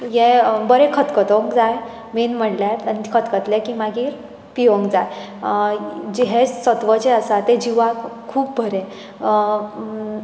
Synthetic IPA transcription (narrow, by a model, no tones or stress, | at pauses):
jẽbəɾẽkʰət̪kət̪ə̃ŋkd͡zaj | ʋenm̤əɳljat̪ənikʰət̪kət̪lekimaɡiːɾ | piʋəŋkd͡zaj | d͡ʑiɦesət̪ʋət͡ɕeəsat̪ẽd͡ʑiʋakkʰuːpbʱəɾẽ